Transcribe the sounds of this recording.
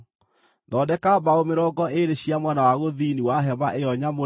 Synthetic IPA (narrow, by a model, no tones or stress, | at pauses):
ðɔdɛkabaomeɾɔɡɔeɾeɕiamwanawaɣoðiniwaɦɛβaʔejɔɲamo